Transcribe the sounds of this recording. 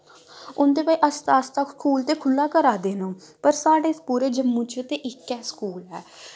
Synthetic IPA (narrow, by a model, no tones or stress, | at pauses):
ʊnd̪eːpaːiːʔəst̪aːst̪aːkʰuːlt̪eːkʰʊlːaːkəɾaːd̪eːnũː | pəɾsaːɖeːspuːɾeːd͡ʒəmːũːt͡ʃeːt̪eːʔɪkːɛːsə̥kuːlɦɛː